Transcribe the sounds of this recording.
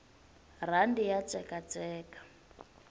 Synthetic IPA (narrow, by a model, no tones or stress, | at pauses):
r̤andijat͡sʼɛkat͡sʼɛːkḁ